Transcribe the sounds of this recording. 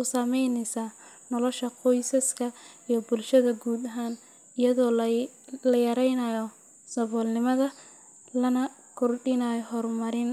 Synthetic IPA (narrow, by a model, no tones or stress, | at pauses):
ʊsɐmɛjnɛsaː | nɔlɔʃɐqɔjsɐskʰɐijɔbʊlʃɐðɐɡuːd̪ɐɦaːn | ɪjɐðɔː | lɐjɐɾɛjnɐjɔ | sɐβɔːlnɪmɐðɐ | lɐnɐ | kʰʊrɖɪnajɔɦɔrmɐɾɪn